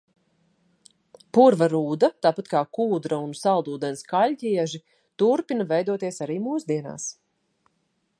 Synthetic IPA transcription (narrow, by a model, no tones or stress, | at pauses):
puɾvaɾuːd̪ɐt̪aːpat̪kaːkuːd̪ɾaunsalˠd̪uːd̪ɛnskalʲcʲiɛʒi | t̪uɾpinɐvɛjd̪uɔt̪iɛsaɾiːmuːsd̪iɛna̰ːs